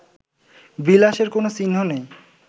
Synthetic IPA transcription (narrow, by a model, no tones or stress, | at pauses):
bilaʃeɾkonosinɦonej